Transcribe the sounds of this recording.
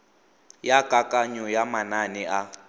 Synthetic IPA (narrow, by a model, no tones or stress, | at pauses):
jakʼakʼaɲɔjamananɪʔa